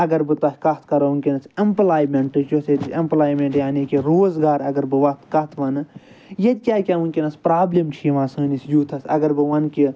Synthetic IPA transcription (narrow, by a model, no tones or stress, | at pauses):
ɐɡɐɾbɨt̪ɐhʲkɐt̪̚ʰkɐɾounkʲenɐsemplaːjmeɳʈɨt͡ʃoset̪ɐmplaːjmeɳʈjaːnikiɾoːzɡaːɾɐɡɐɾbɨʋɐt̪ʰkɐt̪ʰʋɐnɨ | jɐd̪ʲkʲaːkʲaːunkʲenɐspɾaːblemt͡ʃʰiːʋãːsɨːnisjuːt̪ʰɐsɐ̰ɡɐɾbɨʋɐnkʲi